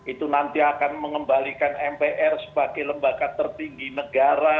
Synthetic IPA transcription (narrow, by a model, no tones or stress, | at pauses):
it̪unant̪iakanməŋəmbalikanɛmpeʔɛrsə̥baɡajləmbakat̪ərt̪iŋɡinəɡaɾa